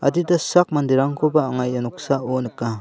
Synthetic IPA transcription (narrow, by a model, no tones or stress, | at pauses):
a̰didasak̚mandiɾaŋkʰobaːŋajanuk̚saonɯkːa